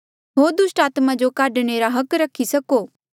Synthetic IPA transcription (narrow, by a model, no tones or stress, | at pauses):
ɦoːɾd̪ʊsʈaːt̪mãd͡ʒokaːɖɽ̃eɾaɦɐkɾɐkʰːisɐkoː